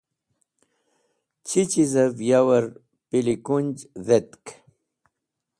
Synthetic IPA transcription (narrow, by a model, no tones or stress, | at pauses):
t͡ɕʰit͡ɕizɐvjawɐɾ | pilikunʲd͡ʑðet̪k